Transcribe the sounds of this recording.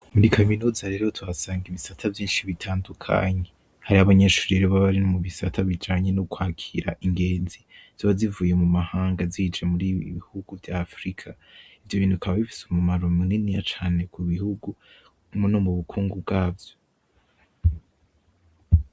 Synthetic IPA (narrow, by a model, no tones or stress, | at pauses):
muɾikʰaminuːzaɾe̞ɾo̞tʰuβasaːŋɡiβisatʰavjiːnʃiβitʰaːndukʰa̰ɲe̞ | haɾihaβaɲe̞ːʃuːɾieɾoβaβaɾinomuβisatʰaβid͡ʒaɲe̞nokwaːkʰiɾa̰ʔiŋɡe̞ːnziz̥aβazivuːje̞mumahaːŋɡaziːd͡ʒemuɾiiβihuɡuvjafɾikʰa | ivjo̞βiːnduikʰaβaβifi̥sumumaɾomininijat͡ʃaːne̞kuβihuɡu | munomuβukʰuːŋɡubɡaːvjo